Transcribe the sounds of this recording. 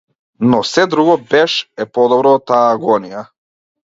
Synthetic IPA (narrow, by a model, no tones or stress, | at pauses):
nɔsɛd̪ɾuɡɔbɛʃɛpɔd̪ɔbɾɔt̪aːɡɔnija